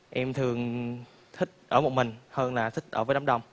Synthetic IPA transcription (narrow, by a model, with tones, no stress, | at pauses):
ʔɛ˧mt̪ʰɨ˨˩əŋ | t̪ʰï˦˥k̚ʔəː˧˩mo˨˩t̚mï˨˩ŋ̟həː˧nlaː˨˩t̪ʰï˦˥k̚ʔəː˧˩vəː˨˦ɗa˨˦˥ɗə˧wŋ͡m